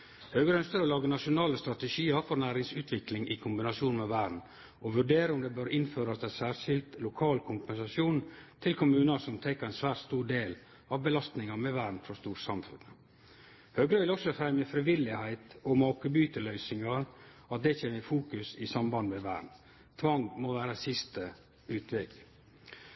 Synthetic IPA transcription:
høːɡɾəœnst̪əɾɔlɑːɡənɑʂʊnɑːləst̪ɾɑt̪ɛʂiːəɾfɔɾnæːɾɪŋsʉːt̪ʰʋɪklɪŋʔɪkʰʊmbɪnɑʂjuːnmɛʋæːɖɳ̩ | ɔʋʉɖeːɾəʊmd̪ɛbøɾɪnføːɾɑsd̪æsæːɾʂɪlt̪lʊkʰɑːlkʰʊmpɛnsɑsjuːnt̪ʰɪlkʰʊmʉːnəsɔmt̪ʰɛkːəɾæɛnsʋæːʈst̪uːɾɖeːl | ɑʋbəlɑst̪nɪŋɑmɛʋæːɖɳ̩fɾɔst̪uːʈsɑmfʉ̰n | høːɡɾəʋɪlɔksɔfɾɛmjəfɾɪʋɪlɪhæɪt̪ɔmɑːkəbyːt̪əlœʏsɪŋɑɾɑt̪̚d̪ɛçeːnəfuːkʉsɪsɑmbɑnd̪mɛʋæ̰ːɖɳ̩ | t̪ʰʋɑŋmɔʋæːɾəsɪst̪ə | ʉːt̪ʰʋɛɡ

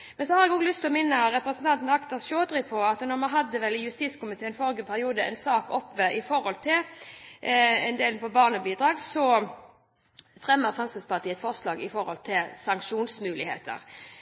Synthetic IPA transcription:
mɛnsɔhɑɾɛɡoːɡlʏst̪ʰlɔmɪnːəɾɛpɾəsən̩t̪ʰɑnt̪n̩ɑkt̪ɑʃoːd̪ɾɪpʰɔɑt̪nɔʁmɑnɦɑd̪ːəʋɛlɪjʉst̪iːskʊmɪt̪ʰeːɛnfɔɾɡəpʰæɾɪuːd̪əʔɛ̰nsɑːkɔpːʋəʔɪfɔɾɔlt̪ʰɪl | ɛnd̪eːlnpʰɔbɑːʁnəbiːd̪ɾɑːɡsɔ | fʁɛmːəʁfʁɑnsəspʰɑʁt̪ʰiːəɛt̪fɔʁslɑːɡɪfɔɾhɔ̰lt̪ʰɪlsɑŋkʂuːnsmʉːlɪhḛːt̪ʰə̰ɾ

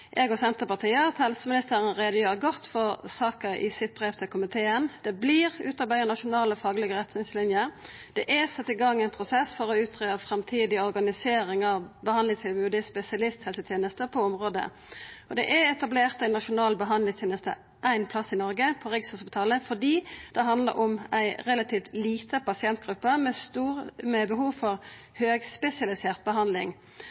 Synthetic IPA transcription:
ʔɛːɡɔsɛnt̪əpɑʁt̪ʰiːəɑt̪hɛlsəmɪnɪst̪əɾənʁɛɑɡ̪eːʁəɡɔt̪ːfɔʁsɑːkəɪ̰sɪt̪̚bʁeːʋt̪ʰɪlkʰʊmɪt̪ʰeːənd̪̥ɛbliːʁʉ̰ːt̪ɑbæʏənɑʂʊnɑːləɔfɑːɡlɪɡəʁɛt̪nɪŋslɪnjəɾ | d̪̥ɛʔæsɑt̪ːɪɡɑŋːæɪnpʰɾʊsɛsfɔʁɔʉːt̪ʰʁøːəfɾɑmt̪ʰiːd̪ɪɔɾɡɑnɪseːɾɪŋɑʋbəhɑnd̪ɪŋt̪ʰɪlbʉːd̪əspɛsɪɑlɪst̪hɛlsət̪ʰjeːnəst̪əpʰɔɔmʁoːd̪ə̰ | ɔd̪ɛ̰ʔæɛt̪ɑbleːʁt̪æɪnɑʂʊnɑːlbəɦɑndlɪŋst̪ʰeːnəst̪ə̰ | ʔæɪnpʰlɑsːɪnɔɾɡəpʰɔʁɪɡsɔsɑbt̪ʰɑːləfɔdiːd̪̥ɛɦɑnd̪lə̰ɾʔɔmæɪɾɛlɑt̪ʰiːft̪liːt̪ʰəpɑsɪɛnt̪̚ɡʁʉpːəmɛst̪uːmɛbəɦuːʋfɔʁ | høːɡspɛsɪɑlɪseːʁt̪̚bəɦɑnd̪lɪŋ

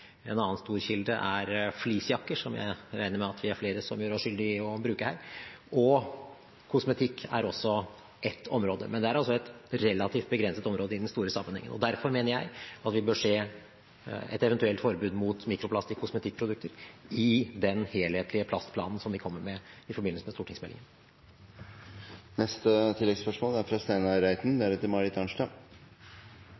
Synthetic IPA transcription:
ɛ̰nɑːənst̪uːɾçɪld̪əʔæɾfliːsjɑkːəʂɔmjæ̰ɪɾæɪnəɾmɛɑt̪ʰʋɪæɾfleːɾəsɔmjøːɾɔsʂʏld̪ɪɔbɾʉːkəhæːɾɔ | kʰʊsmɛt̪ʰɪkːæ̰ɾɔsːɔ | ʔɛt̪ʰːɔmɾoːd̪ə̰mɛnd̪ɛæɾɑlsɔɛt̪ɾɛlːɑt̪ʰiːft̪̚bəɡɾɛnsət̪ɔmɾoːd̪əɪd̪ɛnst̪uːɾəsɑmːənhɛ̰ŋːə̰nɔ̰d̪æɾfɔɾmeːnəɾjæɪɑt̪ʋɪbøːʂeː | ɛ̰t̪ɛʋɛnt̪ʉɛlt̪fɔɾbʉːd̪mut̪miːkɾʊpʰlɑst̪ɪkʰːʊsmɛt̪ʰɪk̚ːpʰɾʊd̪ʉkt̪ʰəɾɪd̪ɛnheːlheːt̪ʰlɪəpʰlɑst̪pʰlɑ̰ːnən̩sɔmʋɪkʰɔmːəɾmɛɪfɔɾbɪnəsəmɛst̪uːʈɪŋsmɛlɪ̰ŋən | nɛst̪ət̪ʰɪlːɛɡspœʂmoːlæɾfɾɑst̪æɪnɑɾæɪt̪n̩d̪æɾɛt̪ːɪlmɑɾɪt̪ʰɑnʂʈɑːɡ

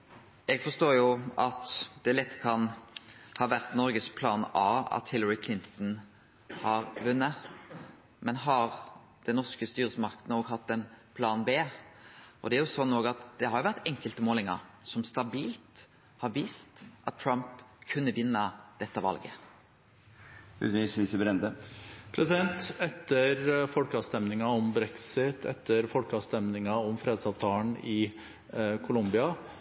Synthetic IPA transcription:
ɛɡfɔst̪oːjʊɑt̪d̪ɛælɛt̪ːkʰɑnhɑːʋæʁt̪nɔɾɡəspʰlɑːnɑːɑ̰t̪hɪlːəɾɪkʰlɪnt̪n̩ | hɑːʁʋʉnːə | mɛnɦɑʁ | d̪̥ɛnːɔskəst̪yːɾəsəmɑʁkəd̪nəɔːɡɦɑt̪ːɛnpʰlɑːnbeː | ʔɔd̪ɛæɾjʊsɔnːoːɡɑt̪d̪̥ɛhɑɾjʊʋæʁt̪ɛŋkəlt̪əmoːlɪŋɑ̰ɾsɔmst̪ɑbiːlt̪ | hɑɾʋiːst̪ʔɑt̪̚ʰːɹɑmpkʰʉnːəʋɪnːəd̪ɛt̪ːəʋɑ̰lɡə | ʉ̰issəbɾɛnd̪əpʰɾɛsɪd̪ɛnt̪ɛt̪ʰːəɾfɔlkəɑst̪ɛmnɪŋɑɔmbɾɛksɪt̪ʰɛ̰t̪ʰːəɾfɔlkəɑst̪ɛmnɪŋɑɔmfɾeːd̪sɑʋt̪ʰɑːəɳɪ | kʰʊlʊmbɪɑ

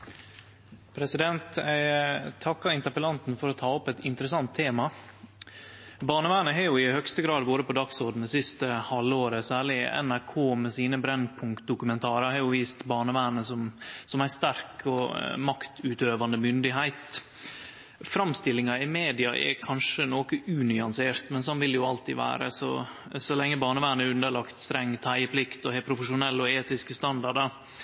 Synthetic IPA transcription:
pʰɾɛsɪd̪ɛnt̪æɪt̪ʰɑkːɑɪnt̪əpəlɑnt̪n̩fɔɾɔt̪ʰɑːɔpɛt̪ɪnt̪əɾəsɑnt̪ʰːeːmɑ | bɑːɳəʋæːnəɦɑjʊɪhœkst̪əɡɾɑːd̪boːɾəpɔd̪ɑksɔɖ̪n̩d̪ɛsɪst̪əhɑlːəoːɾəsæːɭɪɛ̰næɾkʰoːmɛsiːnəbɾɛnpʰʊŋkt̪̚d̪ʊkʉmɛnt̪ʰɑːɾəhɑːjʊʋiːst̪bɑːɳəʋæːnəsɔmsɔmæɪst̪æɾkʰɔmɑkt̪ʉːt̪øːʋɑnd̪əmʏnd̪ɪɦæɪt̪ | fɾɑmst̪ɪlːɪŋɑɪmeːd̪ɪɑʔɛ̰kʰɑnʂənoːkəʔʉːnʏɑnseːɾt̪mɛnsɔnʋɪljʊɑlt̪ʰḭʋæ̰ːɾə̰sɔ̰sɔlɛŋːəbɑːɳəʋæːnəʉnd̪əɭɑkt̪st̪ɾɛŋːt̪ʰæɪəpʰlɪkt̪ɔhɛpʰɾʊfəʂʊnɛlːɔeːt̪ɪskəst̪ɑnd̪ɑɖəɾ

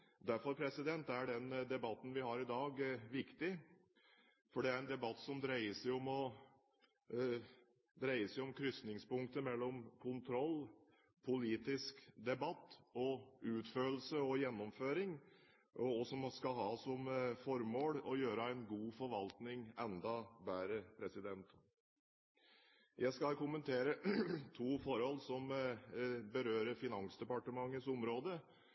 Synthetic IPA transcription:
d̪æɾfɔɾpʰɾɛsɪd̪ɛnt̪æɖɛnd̪ɛbɑt̪ːn̩ʋɪhɑɾɪd̪ɑːɡʋɪkt̪ɪ | fɔɖɛæɾɛnd̪ɛbɑt̪ːsɔmd̪ɾæɪəsɛɪɔmɔ | d̪ɾæɪəsɛɪɔmkʰɾʏsnɪŋspʊŋkt̪əmɛlːɔmkʰʊnt̪ʰɾɔlː | pʰʊliːt̪ɪskd̪ɛbɑt̪ːɔʉːt̪føːl̩səɔjɛnːɔmføːɾɪŋ | ʔɔɔsɔmskɑlhɦɑːsɔmfɔɾmoːɽɔjøːɾəæɪnɡuːfɔɾʋɑlt̪nɪŋɛnd̪ɑbæːɾəpʰɾɛsɪd̪ɛnt̪ | jʔæɪskɑlkʊmənt̪ʰeːɾət̪ʰuːfɔɾhɔlːsɔm | bəɾøːɾəɾfɪnɑŋsd̪ɛpɑʈəmɑŋːəsʊmɾoːd̪ə

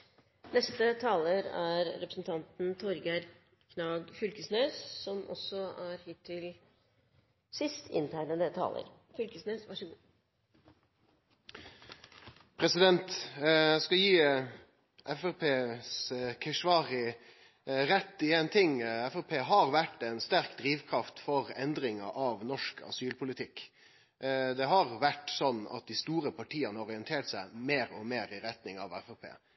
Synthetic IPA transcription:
nɛst̪ət̪ʰɑːləɾæɾɾɛpɾə̥snt̪ʰɑnt̪n̩t̪ʰɔɾɡæɾ | kʰnɑːɡfʏlkəsnøːssɔmɔ̰sːɔæɾhiːt̪ʰːɪl | sɪst̪ʰɪ̰nt̪ʰæɪnəd̪ət̪ʰɑ̰ːlə̰ɾ | fʏlkəsnøːsʋɑʂəɡuː | pʰɾɛsɪd̪ɛnt̪æskɑjiː | ʔɛfæpʰeːskʰɛʂʋɑːʁɪ | ɾɛt̪ːɪeːnt̪ʰɪŋɛfɛpʰeːɦɑɾʋæʈɛnst̪æɾkd̪ɾiːʋkʰɾɑft̪fɔɾɛnd̪ɾɪŋə̰ʔɑʋnɔʂkʰɑ̰syːlpʰʊlɪt̪ʰɪkː | d̪ɛɦɑɾʋæʈsɔnːɑ̰t̪̚d̪ɪst̪uːɾəpʰɑʈʰiːənəɔʁɪɛnt̪ʰeːʈsæɪmeːɾɔmeːɾɪɾɛt̪nɪŋɑ̰ʋɛfɛpʰḛː

